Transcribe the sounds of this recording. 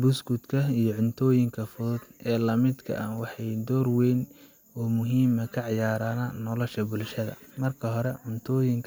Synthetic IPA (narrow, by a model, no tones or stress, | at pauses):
bʊsɡʊd̪kʰɐijɞʕʊnt̪ʰɔːjɪŋkʰɐfɔðʊd̪ʔɛːlɐmɪd̪kʰɐ̰ʔɐnwɑħɑjd̪ɔːrwɛːn | ɔːmʊɦiːmɐkʰɐʕɑjaːɾaːnɐnɔlɔʃɐbʊlʃɐðɐ̰mɐrkʰɐɦɔɾɛʕʊnt̪ʰɔːjɪŋkʰ